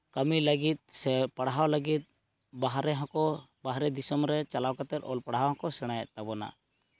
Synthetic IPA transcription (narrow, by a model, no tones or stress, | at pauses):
kəmiləɡit̪̚sɛpaɽɦawləɡit̪̚ˀ | baɦɾɛɦɔ̃kɔ | baɦɾɛd̪isɔmɾɛt͡ʃalawkat̪ɛt̪̚ɔlpaɽɦawɦɔ̃kɔsɛɽ̃ajɛʔt̪abɔna̰